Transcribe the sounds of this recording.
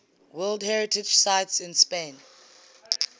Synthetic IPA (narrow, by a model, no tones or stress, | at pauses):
wɛldhɛɹɪtʰɪd͡ʒsaɪtsɪ̃nspẽn